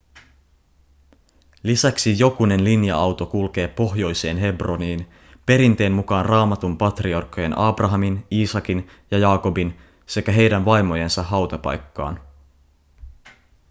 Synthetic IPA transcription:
lisæksijo̞kune̞nlinjɑɑwt̪o̞kulke̞ːpo̞ɦjo̞jse̞ːnɦe̞bro̞niːn | pe̞ɾint̪e̞ːnːukɑːnrɑːmɑt̪umpɑt̪riɑrkːˑoje̞nɑːbrɑɦɑminiːsɑkin | jɑjɑːko̞bin | se̞kæɦe̞jdænʋɑjmo̞je̞nsɑɦɑwt̪ɑpɑ̰jkːɑ̰ːn

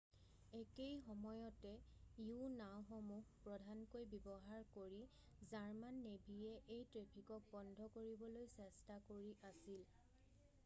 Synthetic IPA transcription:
ekejxɔmɔjɔtɛiunawxɔmuxpɹɔdʱankojbɔbɔɦaɹkoɹi | zaɹmanːebʱijɛʔejtɹepʰikɔk̚bɔndʱɔkoɹibɔlojsɛstakoɹiʔasil

